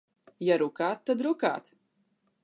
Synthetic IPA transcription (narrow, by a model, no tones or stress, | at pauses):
jaɾukaːt̪ːad̪ɾuka̰ːt̪